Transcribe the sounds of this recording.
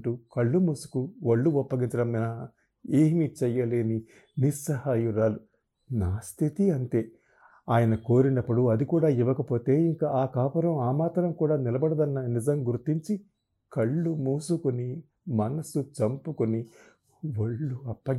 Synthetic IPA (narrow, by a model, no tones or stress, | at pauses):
ʈukɐɭːumuːsu̥kuʋɐɭːuɔpːɐɡiɲt͡ʃɐɽɐminɐ | eːmit͡ʃɛjɐle̞ːni | nisɐhaːjuɾaːlu | naːst̪ʰit̪iɐnt̪e̞ː | aːjɐnɐko̞ːɾinɐpːuɽuɐd̪ikuːɽaːiʋɐkɐpo̞ːt̪e̞ːiŋkaaːkaːpɐɾɐmaːmaːt̪ɐɾɐmkuːɽaːnilɐbɐɽɐd̪ɐnːɐnizɐmɡuɾt̪ːiɲt͡ʃi | kɐɭːumuːsukuni | mɐnɐsut͡ʃɐmpukuni | ʋɐɭːuɐpːɐ